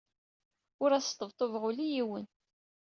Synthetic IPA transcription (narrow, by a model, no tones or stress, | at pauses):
ʊɾæst̪ˤːəvt̪ˤovʁʊlijiwən